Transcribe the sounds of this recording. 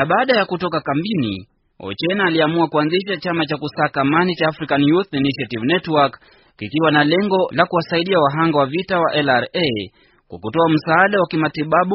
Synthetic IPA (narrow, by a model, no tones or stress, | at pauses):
naɓaːɗajakutɔkakambinḭ | ɔ̰t͡ʃɛnaːliamuakuanziʃat͡ʃamat͡ʃakusaːkamanit͡ʃaːfɾikanjuθiniʃiativnɛtwak | ikiwanalɛŋɡɔlakuwasaiɗiawaɦaŋɡawavitawa̰ʔɛlaɾe | kwa̰kutɔam̩saaɗawakimatiɓaɓu